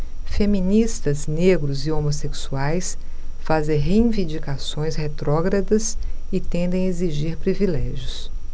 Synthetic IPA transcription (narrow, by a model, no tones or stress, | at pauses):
femĩnist̪ɐzneɡɾʊziomoseksuajs | fazẽj̃ɦeĩvĩnd͡ʒikasõj̃shet̪ɾɔɡɾɐd̪ɐsɪt̪ẽnd̪ẽj̃eziʒiɾpɾivilɛʒjʊs